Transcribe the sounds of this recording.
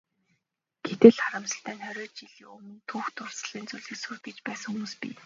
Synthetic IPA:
ɡ̥et̪ɘ̆ɮχaɾə̆msə̆ɬt̪æːnχœɾʲɔːtt͡ɕiɮiːŋɵmɵ̆nt̪ʰuːxt̪ʰʊr̥sə̆ɮiːnt͡suɮɘ̆ksuːt̪̚ɡet͡ɕpæːsə̆ŋxumuːspḭː

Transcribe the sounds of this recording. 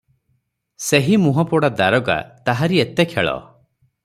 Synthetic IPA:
seɦimuɦɔpɔɽad̪aɾɔɡa̰t̪aɦaɾiet̪ekʰḛɭɔ̰

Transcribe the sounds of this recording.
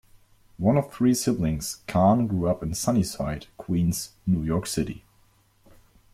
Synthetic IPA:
wʌ̃nʌv̥θɹiːsɪblɪ̃ŋz̥kʰɑ̃nɡɹuʌpɨ̃nsʌnisaɪd̥kʰw̥ĩnz̥ | nujɔɹksɪɾḭ

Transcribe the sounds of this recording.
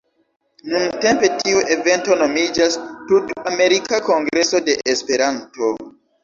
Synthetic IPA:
nunte̞mpe̞tʰiuʔe̞ve̞nto̞no̞mid͡ʒastutame̞ɾikako̞ŋɡɾe̞so̞de̞ʔespe̞ɾanto̞

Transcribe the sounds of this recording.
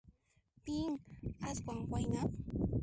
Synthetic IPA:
piŋaskwaŋwajnap

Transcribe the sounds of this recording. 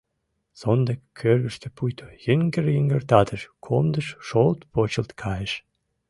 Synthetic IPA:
z̥ond̪ekːʰørβəʃt̪ʰəpujt̪ʰojəŋɡəɾiŋɡərt̪ɑd̪əʃkʰomd̪əʃʃolt̪pot͡ɕəlt̪kʰɑjəʃ

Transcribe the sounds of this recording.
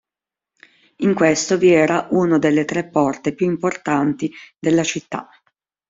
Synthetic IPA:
iŋkwest̪oviɛːɾaʔunod̪elːet̪ɾepːɔrt̪epjuimport̪ant̪id̪elːat͡ʃit̪ːa̰

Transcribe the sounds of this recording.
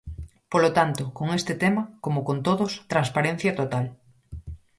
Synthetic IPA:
polot̪ant̪okoŋest̪ɪt̪emɐkomokont̪oðost̪ɾaŋspaɾen̟θjɐt̪ot̪al

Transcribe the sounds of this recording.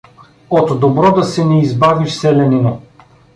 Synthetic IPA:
ot̪d̪obɾɔd̪ɐsɛnɛizbaviʃsɛlɛnino

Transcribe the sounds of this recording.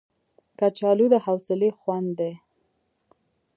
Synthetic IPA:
kat͡ʃɑlud̪əhawsɪlexwand̪d̪e

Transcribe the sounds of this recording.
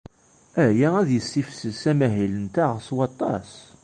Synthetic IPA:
æjææðjəsːifsəsæmæɦilənt̪æʁswɑt̪ˤːɑ̰s

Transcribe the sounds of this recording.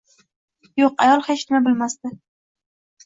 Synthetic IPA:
joqajɒlˠhet͡ʃnɪmabɪlmast̪ɪ

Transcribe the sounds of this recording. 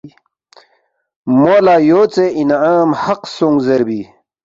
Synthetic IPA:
moːlaːjoːt͡seinʕaːmhɐqsoŋɡzɐɾbi

